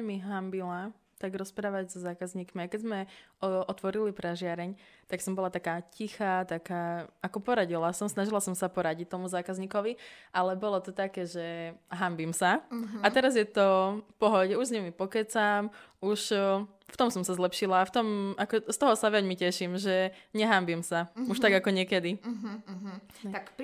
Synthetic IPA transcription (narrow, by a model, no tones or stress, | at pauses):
miɦambila | t̪aɡɾɔspɾaːʋaɟzɔzaːkazɲiːkmiakɛzmɛʔɔt̪ʋɔɾilipɾaʒɪaɾɛɲt̪aksɔmbɔlat̪akaːcixaːt̪akaːakɔpɔɾaɟilasɔmsnaʒilasɔmsapɔɾaɟic̚t̪ɔmuzaːkazɲiːkɔʋiʔalɛbɔlɔt̪ɔt̪akɛːʒɛɦambimsaat̪ɛɾazjɛt̪ɔfpɔɦɔɟɛuʒzɲɛmipɔkɛt͡sam | uʃ | ft̪ɔmsɔmsazlɛpʃilaːft̪ɔmakɔst̪ɔɦɔsaʋɛɟmicɛʃimʒɛɲɛɦambimsauʃt̪aɡakɔɲɛkɛd̪i | ak